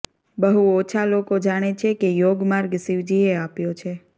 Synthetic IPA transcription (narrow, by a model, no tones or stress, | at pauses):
bəɦuɔt͡ʃʰalokod͡ʒaɽ̃et͡ʃʰekejoɡmaɾɡsiʋd͡ʒieapjot͡ʃʰe